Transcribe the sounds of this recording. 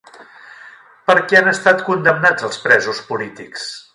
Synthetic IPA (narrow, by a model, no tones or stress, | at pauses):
pəɾkɛanəst̪at̪kund̪əmnad͡zəlˠspɾɛzuspulit̪iks